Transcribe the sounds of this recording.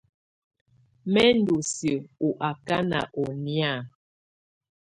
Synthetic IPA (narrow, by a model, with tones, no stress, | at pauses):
mɛ˦n̩˦do˨sjə˨u˨ʔa˨ka˦na̰˨ʔɔ˨nja˦˨